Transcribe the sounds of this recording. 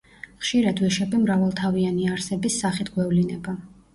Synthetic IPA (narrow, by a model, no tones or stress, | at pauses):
χʃiɾad̪wiʃɛbimɾavalˠt̪ʰavianiaɾsɛbisːaχit̪ʰɡwɛvlinɛba